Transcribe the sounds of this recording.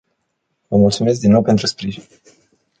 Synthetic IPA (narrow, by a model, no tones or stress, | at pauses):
vəmult̪sume̞s̬k̚d̪inːo̞wpe̞nt̪ɾuspɾiʒinʲ